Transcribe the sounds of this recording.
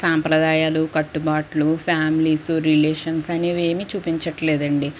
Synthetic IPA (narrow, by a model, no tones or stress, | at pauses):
saːmpɾɐd̪aːjaːlukɐʈːubaːʈlupʰjaːmilisuɾileːʂɐnsɐneʋeːmit͡ʃuːpiɲt͡ʃɐʈlɛːd̪ɐɳɖi